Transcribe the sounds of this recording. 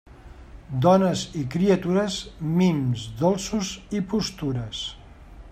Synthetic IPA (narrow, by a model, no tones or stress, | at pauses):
d̪ɔnəzikɾiət̪uɾəzmimzd̪olˠsuzipust̪uɾəs